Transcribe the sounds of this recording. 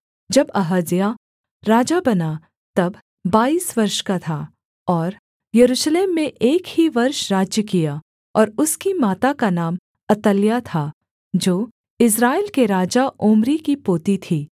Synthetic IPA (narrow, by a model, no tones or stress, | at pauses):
d͡ʒɐbɐɦəzja | ɾaːd͡ʒabɐna | t̪ɐb | baːiːsʋɐɾʃkat̪ʰa | ɔːɾ | jɐɾuːʃleːmːẽʔeːkhiʋɐɾʃɾaːd͡ʒjəkija | ɔːɾʊskimaːt̪akanaːm | ɐt̪əljat̪ʰa | d͡ʒoː | ɪs̬ɾaːelkeɾaːd͡ʒaʔoːmɾikipoːt̪it̪ʰiː